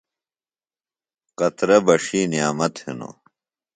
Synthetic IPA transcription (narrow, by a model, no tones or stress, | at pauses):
qɐt̪ɾɐbɐʂiːnijaːmɐt̪hḭno̰